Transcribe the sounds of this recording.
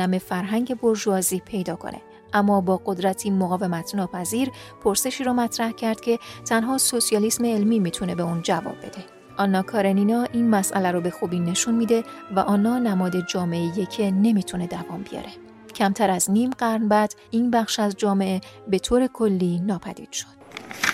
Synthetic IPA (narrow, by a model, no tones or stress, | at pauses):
æme̞fæɾɦæŋɟe̞bo̞ɾʒuɒːziːpʰe̞jd̪ɒːkʰo̰nʔḛ | ʔæmːɒːbɒːɡo̞d̪ɾæt̪ʰiːmoɣɒːve̞mæt̪ʰnɒːpʰæziːɾpʰo̞ɾse̞ʃiːɾɒːmæt̪ʰɾæhcʰæɾd̪̥cʰe̞t̪ʰænɦɒːso̞sijɒːlisme̞ːlmiːmiːt̪ʰune̞beund͡ʒævɒ̰ːb̚ːe̞̰d̪̥e̞ | ʔɒnːɒːkʰɒːɾeniːnɒːʔiːnmæsʔæ̰læɾɔːbe̞xuːbiːne̞ʃunmiːd̪e̞væ̰ʔɒːnːɒːnæmɒːd̪e̞d͡ʒɒːmeejecʰe̞ne̞miːt̪ʰune̞d̪ævɒ̰ːmbijɒ̰ːɾe̞ | cʰæmt̪ʰæɾæzniːmɢæɾnbæd̪̥ | iːnbæχʃæzd͡ʒɒːme̞ʔebe̞t̪ʰoːɾe̞kʰo̞lːiːnɒːpʰæd̪ḭːd̪̥ʃo̥d̪̥